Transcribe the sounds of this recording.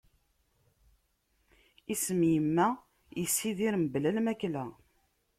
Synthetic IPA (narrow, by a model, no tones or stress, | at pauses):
isəmjəmːæ | jəsːiðiɾəmblælmæklæ